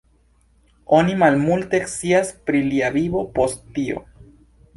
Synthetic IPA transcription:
onimalmult̪eksiaspɾiliaβiβopost̪io̰

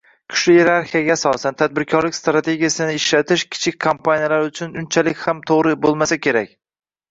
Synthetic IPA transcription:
kʲʰʊ̥ʃlɪje̞ɾaɾχijaɡʲaːsɒsant̪ʰad̪̚bɪɾkʲʰɒɾlɪkʲst̪ɾat̪ʰe̞ɡʲijasɪnɪɪʃlat̪ʰɪʃkʲʰɪ̥t͡ʃʰɪk̚ʲkʰampʰanijalaɾʊt͡ʃʰʊnʊnt͡ʃʰalɪkʲhamt̪ʰoʁɾɪbolˠmasakʲʰe̞ɾakʲ

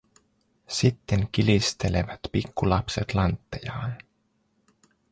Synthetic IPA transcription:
sit̪ːe̞ŋkilist̪e̞le̞̰ʋɑt̪pikːulɑpse̞t̪lɑnt̪ːejɑːn

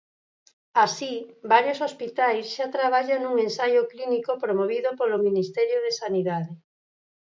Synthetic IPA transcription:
asibaɾjosospit̪ajsʃat̪ɾaβ̞aʎaŋnuŋẽnsajʊklinikopɾomoβiðopolominist̪ɛɾjoð̞esaniðaðe

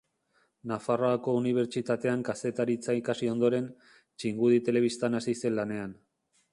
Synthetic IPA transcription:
nafaro̞ako̞uniβ̞e̞ɾt͡ʃit̪at̪e̞aŋkase̞t̪aɾit͡saikasio̞nd̪o̞ɾe̞n | t͡ʃiŋɡuðit̪e̞le̞β̞ist̪anasise̞nlane̞an

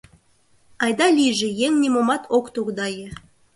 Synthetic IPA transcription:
ɑjd̪ɑlʲiʒɘ̆jeŋnʲemomɑt̪ʰokt̪oɣd̪ɑjə

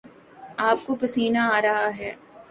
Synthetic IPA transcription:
aːp̚kopɐsiːnaaːɾɐɦaɦɛː

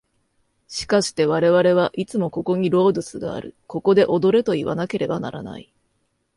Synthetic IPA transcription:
ɕi̥kaɕi̥t̪e̞βaɾe̞βaɾe̞βaʔit͡sɨmo̞ko̞ko̞ɲ̟iɾo̞ːd̪ɯ̟sɨɡa̰ːɾɯ̟ko̞ko̞d̪e̞ʔo̞d̪o̞ɾe̞t̪o̞iβa̰nake̞ɾʔe̞bana̰ɾana̰i

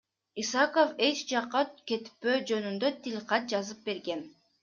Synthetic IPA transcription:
isɑkofe̞t͡ʃd͡ʒɑqːɑke̞t̪pːøːd͡ʒø̞nynd̪øt̪ʰilʲqɑt̪̚d͡ʒɑzɯp̚be̞ɾɡe̞n

